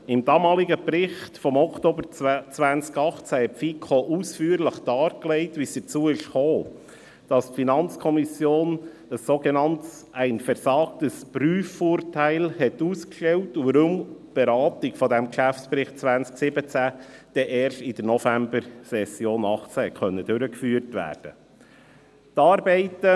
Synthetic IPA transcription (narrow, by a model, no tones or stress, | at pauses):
ɪmd̥ɑːmɑːliɡəpɾɪχtfɔmɔktoːbəɾt͡sʋænt͡skɑχt͡sæɛfikʰoʔusfyːɾləχd̥ɑːɾklɛɪtʋisd̪̥ət͡suːəɪʃχoː | d̥ɑstfinɑnt͡skʰɔmisjoːn | əsːoɡɛnɑnts | æɪnfɛɾsɑːktəspɾyːfːʊːɾtæɪlhɛtuːskʃtɛwtuvəɾumb̥ɛɾɑːtɪɡfɔdɛmkʃæftspɾɪχt̚t͡sʋænsksɪbət͡sæd̥ɛʔɛːɾʃtɪd̥əɾnɔfæmbəɾsɛsjoːnɑχt͡sæɛkʰχœnːədøɾəkfyːəɾtʋæ̰ːɾd̥ə | tɑːɾbɛɪtə